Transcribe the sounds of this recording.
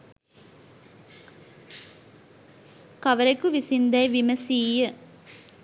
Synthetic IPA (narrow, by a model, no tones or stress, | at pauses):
kɐʋəɾekuʋisind̪ɐjʋiməsiːjə